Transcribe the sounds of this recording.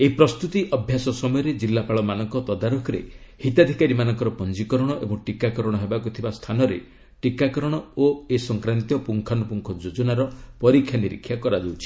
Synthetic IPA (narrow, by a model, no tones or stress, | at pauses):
eɦipɾɔst̪ut̪iʔɔbʱjasɔsɔmɔjɔɾed͡ʒilːapaɭɔmanɔŋkɔt̪ɔd̪aɾukʰɔɾḛhit̪ad̪ʱikaɾimanɔŋkɔɾɔpɔnd͡ʒikɔɾɔɽ̃ɔʔḛbɔŋʈikakɔɾɔɽ̃ɔɦebakut̪ʰibast̪ʰanɔɾḛ | ʈikakɔɾɔɽ̃ɔoesɔŋkɾant̪jɔpuŋkʰanɔpuŋkʰɔd͡ʒod͡ʒɔnaɾɔpɔɾikʰːjaniɾḭkʰːjakɔɾad͡ʒawt͡ʃʰi̥